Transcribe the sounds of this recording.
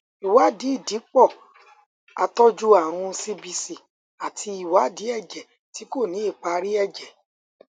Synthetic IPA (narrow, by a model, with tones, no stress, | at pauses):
i˨wa˨˦di˨˦i˦˨di˨˦k͡pɔ˦˨ | a̰˧tɔ˦d͡ʒu˦a˦˨ɾ̃ũ˧si˧bi˧si˨ | a˨tʰi˧i˨wa˨˦di˨˦ɛ˦˨d͡ʒɛ˨ | ti˨˦ko˦˨nĩ˨˦i˦˨k͡pa˧ɾi˦ɛ˦˨d͡ʒɛ˨